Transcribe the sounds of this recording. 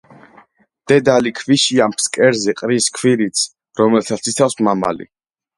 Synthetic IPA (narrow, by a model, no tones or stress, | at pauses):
d̪̥ɛd̪alikʰviʃiampʰskʼɛɾzɛqʼɾiskʰwiɾit̪sʰ | ɾɔmɛlt̪ʰat̪sit̪sʰafsmama̰lḭ